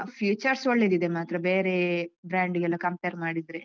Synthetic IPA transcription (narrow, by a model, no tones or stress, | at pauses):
pʰjuːt͡ʃɐɾsoɭːed̪id̪emaːt̪ɾɐbeːɾebɾaːɳɖɡɛlːɐkɐmpeːɾmaːɽid̪ɾe